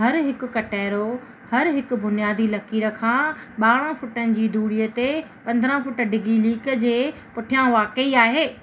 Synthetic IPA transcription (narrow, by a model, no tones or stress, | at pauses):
ɦɐɾɦɪkʊ̆kɐʈaːɾo | hɐɾɦɪkʊ̆bʊnijaːd̪ʱilɐkiːɾə̆kʰãːɓaːɽ̃ə̃fʊʈənɪ̆d͡ʑiːd̪ʱuːɽiːət̪epɐ̃nd̪ʱɾə̃fʊʈə̆ɖɪɡʱiliːkə̆d͡ʑeː | pʊʈʰijãʋaːkəiaːɦeː